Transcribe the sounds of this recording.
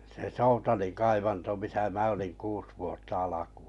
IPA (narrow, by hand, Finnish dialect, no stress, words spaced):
se soutɑlin kɑiʋɑnto misæ mæ oliŋ kuːs ʋuotːɑ ɑlɑku̥ː